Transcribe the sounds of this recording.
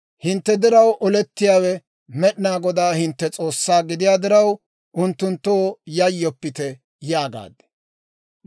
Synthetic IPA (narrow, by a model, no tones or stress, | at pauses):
hɪnt̪ːɛd̪ɪɾɐwʔɔlɛt̪ːɪjaːwɛ | mɛɗɪnaːɡɔd̪aːhɪnt̪ːɛt͡sʼo̞ːsːaːɡɪd̪ɪjaːd̪ɪɾɐw | ʊnt̪ːʊnt̪ːojɐjːɔpːɪt̪ɛ | jaːɡa̰ːd̪ɛ̥